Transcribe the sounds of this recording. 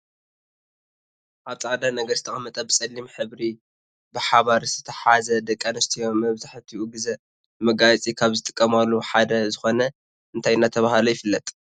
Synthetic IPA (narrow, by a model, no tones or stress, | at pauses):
ʔaβt͡sʼaʕd̪anɐɡɐɾzɨt̪ʰɐχʼɐmːɐt̪ʼɐbɨsʼɐlːimħɨβɾi | bɨħaβaɾz̥ɨt̪ʰɐħazɐd̪ɐkʼːanɐst̪ʰijo̞mːɐβzaħt̪ʰiʔuɡɨzɐ | mɐɡajt͡sʼikʰaβzɨt̪ʼɨ̥kʼːɐmalːuħad̪ɐzɨxo̞nɐ | ɨnt̪ʰajɪnːat̪ʰɐβahalojɪfɨlːɐt̪ʼ